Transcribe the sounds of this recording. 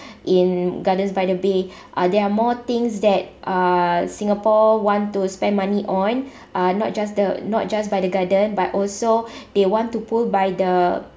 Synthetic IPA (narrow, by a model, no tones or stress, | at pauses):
ʔĩnɡadə̃nsbajdəbe | ʔadɛɹamɔt̪ĩŋsdɛt̚ʔasĩŋapɔwɔ̃ntuspɛ̃nmãniʔɔ̃n | ʔanɔ̰t̚d͡ʒasdənɔ̰t̚d͡ʒasbajdəɡadə̃nbatɔlsod̥ewɔ̃ntːupulbajdə